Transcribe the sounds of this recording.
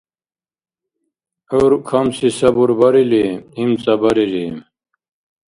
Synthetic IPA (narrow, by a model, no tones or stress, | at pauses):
oɾukʰɐmsisɐbuɾbɐɾilimimt͡sɐbɐɾiɾim